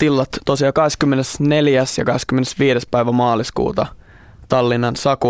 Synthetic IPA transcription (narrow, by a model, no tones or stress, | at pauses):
t̪ilːɑt̪t̪ːosiɑkɑheskymːenesneljæsjɑ̰kɑheskymːenesʋiːɾespæiʋæmɑːliskṵːt̪ɑ̰ | t̪ɑlːinːɑnsɑku